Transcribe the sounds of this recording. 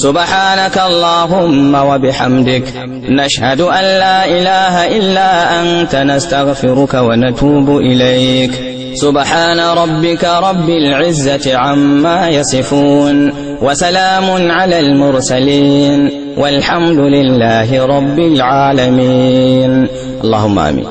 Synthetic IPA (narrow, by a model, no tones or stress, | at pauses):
sʊbħaːnakaʔɑlˤːɑːɦʊmːawabɪħa̰md̪ɪk | naʃhad̪ʊʔanːaːʔɪlaːɦaʔɪlːʔant̪anast̪aɣfɪɾʊkawanat̪uːbʊʔɪlajk | sʊbħaːnaɾˤɑbːɪkaɾˤɑbːɪlʕɪzːat̪ɪʕamːaːjɑsˤɨfuːn | wasalaːmʊnʕalaːlmʊɾsaliːn | wʔalħamd̪ʊlɪlːaːɦɪɾˤɑbːɪlʕaːlamiːn | ʔɑlˤːɑːhʊmːa̰ʔa̰mːḭːn